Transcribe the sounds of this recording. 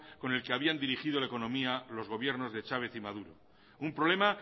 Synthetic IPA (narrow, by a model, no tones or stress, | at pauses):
ko̞ne̞lke̞aβiand̪iɾixið̞o̞laeko̞nõ̞mialo̞zɣo̞β̞je̞ɾno̞zðe̞t͡ʃaβ̞e̞θimað̞uɾo̞ | umpɾole̞ma